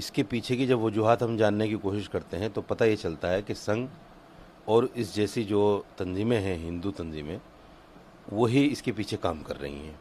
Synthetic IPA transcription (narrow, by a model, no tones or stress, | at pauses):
ɪskepiːt͡ʃʰekid͡ʒɐbʋɐd͡ʒuɦaːt̪ɦɐmd͡ʒaːnːekikoːʃɪʃkɐɾt̪eɦɛ̃t̪opɐt̪ajet͡ʃɐlt̪aɦɛkesɐ̃ŋɡ | ɔːɾɪsd͡ʒɛːsid͡ʒoːt̪ɐ̃nziːmẽɦɛ̃ɦɪ̃nd̪ut̪ɐ̃nziːmẽ | ʋoɦiɪskepiːt͡ʃʰekaːmkɐ̰ɾːɐ̰ɦḭ̃ɦɛ̰̃ː